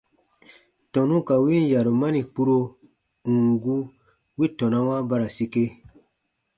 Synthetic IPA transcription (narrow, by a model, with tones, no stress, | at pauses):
tɔ̃˨nũ˦ka˨wi˦n˦˨ja˨ɾo˨ma˦nĩ˨k͡pu˦ɾo˧ | ũ˨ŋ˨ɡu˦ | wi˦tɔ̃˨nã˦wa˦ba˧ɾa˨si˧ke˧